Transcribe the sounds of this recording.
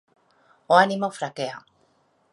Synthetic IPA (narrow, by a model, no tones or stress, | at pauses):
oanimofɾakea